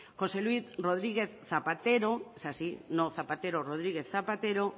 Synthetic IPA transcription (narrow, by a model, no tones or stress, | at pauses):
xoselwiθroð̞ɾiɣeθθapat̪eɾosasinoθapat̪eɾoroð̞ɾiɣeθapat̪eɾo